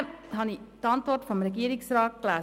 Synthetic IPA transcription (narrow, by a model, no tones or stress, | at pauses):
hɑnitɑntvɔɾtfɔmɾɛɡiːəɾɪksɾɑːt̚klæː